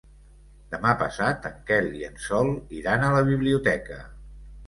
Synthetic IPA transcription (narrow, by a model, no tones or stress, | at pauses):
d̪əmapə̰sat̪əŋkɛliənsɔlˠiɾanələβ̞iβliut̪ɛkə̰